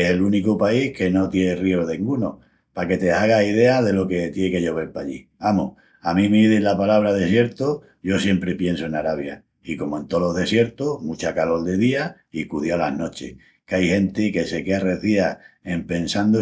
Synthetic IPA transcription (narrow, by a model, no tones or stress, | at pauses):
ese̞lunikopaihke̞no̞t̪jerioðeŋɡuno̞̰ | pake̞t̪e̞aɣ̞aiðe̞aðe̞lo̞ke̞t̪jeke̞ʎo̞β̞e̞ɾpaʎi | amo̰h | amĩmeiðelapalaβ̞ɾað̞e̞sje̞ɾt̪o | ʝo̞sje̞mpɾe̞pje̞nsoe̞naɾaβja̰ | iko̞moent̪o̞lo̞ɦðe̞sje̞ɾt̪omut͡ʃakalo̞ld̪e̞ðia | ikuðjaalahno̞t͡ʃe̞̰h | keajhẽ̞nt̪eke̞se̞keareθiae̞mpe̞nsand̪o